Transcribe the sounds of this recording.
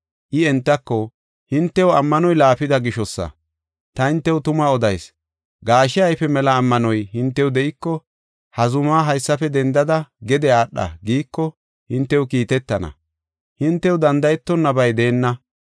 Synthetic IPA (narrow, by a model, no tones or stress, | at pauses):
ʔɪɛnt̪ːɐkːɔ | hɪnt̪ːɛwɐmːɐnɔjlaːfɪd̪ɐɡɪʃɔsːɐ̰ | t̪ɐhɪnt̪ːɛwʊt̪ʊmaɔd̪ɐjs | ɡaːʃɪɐjpɛmɛlɐːmːɐnɔjhɪnt̪ːɛwd̪ɛʔɪkːɔ | hɐzʊmaːɦɐjsːɐfɛd̪ɛnd̪ɐd̪ɐɡɛd̪ɛaːɗːɐ̰ɡiːkːɔ | hɪnt̪ːɛwʊkiːt̪ɛt̪ːɐnɐ̰ | hɪnt̪ːɛwd̪ɐnd̪ɐjɛt̪ːɔnːɐbɐjd̪eːnːɐ